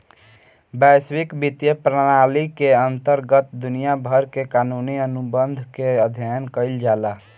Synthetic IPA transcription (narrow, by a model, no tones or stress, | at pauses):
bɛswikbit̪jəpɾəɽ̃alikeənt̪əɾɡət̪d̪unijabʱəɾkekanuniənubənd̪ʱkeəd̪ʱjajənkəɪld͡ʒala